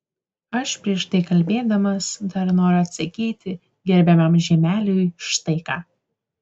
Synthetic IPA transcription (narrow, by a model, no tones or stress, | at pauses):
ɐʃpʲɾʲiɛʃt̪ɐɪkɐlʲbʲeːd̪ɐmɐsd̪ɐɾnoːɾʊɐt̪sɐkʲiːt̪ʲɪ | ɡʲɛɾʲbʲɛmɐmʒʲɛmʲæːlʲʊjʃt̪ɐɪkɑː